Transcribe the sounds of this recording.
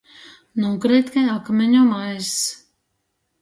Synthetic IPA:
nɔkɾɛt̪kajakmʲɛɲɔmajs

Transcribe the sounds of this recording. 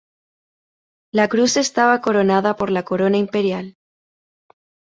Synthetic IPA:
lakɾuse̞st̪aβ̞ako̞ɾo̞naðapo̞ɾlako̞ɾo̞naimpe̞ɾjal

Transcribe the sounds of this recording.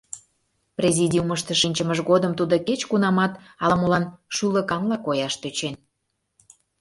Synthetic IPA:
prʲezʲidʲiuməʃt̪əʃenʲt͡ɕəməʒɣod̪əmt̪ud̪oket͡ɕkunɑmɑt̪ | ɑlɑmolɑnʃulə̆kɑmlɑkojɑʃt̪øt͡ɕen

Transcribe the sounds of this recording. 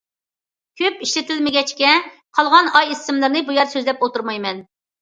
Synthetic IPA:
kʲʰøpiʃlɪt̪ʰɪlmɪɡʲɛt͡ʃkʲɛqʰɑlˠʁɑnɑjisɪmlˠɨɾnɨbujɑɾsøzlɛpot̪uɾmɑjmɛn

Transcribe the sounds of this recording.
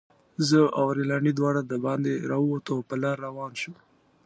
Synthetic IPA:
zəawɾilɑɳid̪wɑɽad̪əbɑnd̪eɾɑwot̪opəlɑɾːawɑːnʃu

